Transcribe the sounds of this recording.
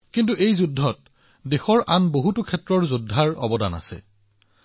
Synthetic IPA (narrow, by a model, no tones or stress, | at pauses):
kint̬uʔejzudʱːɔt | dexɔɹʔanboɦutʊkʰɛtɹɔɹzudʱːaɹɔ̰bɔda̰na̰sɛ̰